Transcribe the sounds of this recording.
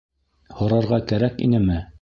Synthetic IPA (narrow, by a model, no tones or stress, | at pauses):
hŏɾɑɾʁɑkæɾækḭnɘmɘ